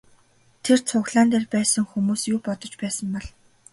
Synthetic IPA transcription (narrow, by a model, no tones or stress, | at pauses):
t̪ʰert͡sʰʊːxɮaːnt̪eːrpæːsə̆ŋxumuːsjuːpɔt̪ɞ̆t͡ɕpæːsə̆mpɔɮ